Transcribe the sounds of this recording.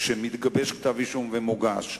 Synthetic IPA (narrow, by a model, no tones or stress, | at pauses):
ʃemit̪ɡabeʃkt̪aviʃumvemuɡa̰ʃ